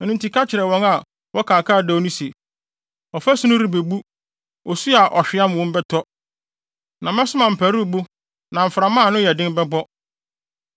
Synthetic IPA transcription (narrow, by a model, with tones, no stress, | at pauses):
nũ˨n˨tʰi˨kʰa˦t͡ɕʰɪ˨ɾɛ˨wɔ̃˨ŋa˨ | wɔ˦kʰaː˨kʰaː˦˨dɛ˨o˨˦nũ˦se˨ | ɔ˨fæ˦sũ˦nʊ̃˦ɾi˨be˨bu˦ | ɔ˨su˦a˨ʔɔ˨ɕᶣɪ˨˦a˦m̃˨wɔ̃˦m˦bɛ˦tʰɔ˦ | nã˨mɛ̃˦sʊ˦mã˨m̩˨pʰæ˨ɾu˦˨bu˦ | nã˨m̩˨fɾa˨mã˦˨nʊ̃˦jɛ˨dɪ̃˦n˦bɛ˦bɔ˦